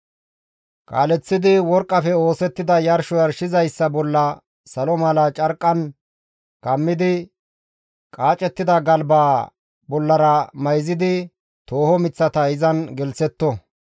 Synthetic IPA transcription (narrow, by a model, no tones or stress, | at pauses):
kʼa̰ːlɛt͡sːɪd̪ɪwɔɾkʼːɐfɛo̞ːsɛt̪ːɪd̪ɐjɐɾʃʊjɐɾʃɪzɐjsːɐbɔlːɐ | sɐlɔmɐlɐt͡ʃʼɐɾkʼːɐn | kɐmːɪd̪ɪ | kʼaːt͡ʃʼɛt̪ːɪd̪ɐɡɐlbaː | bɔlːɐɾɐmɐjzɪd̪ɪ | t̪o̞ːhɔmɪt͡sːɐt̪ɐɪzɐnɡɛlsɛt̪ːɔ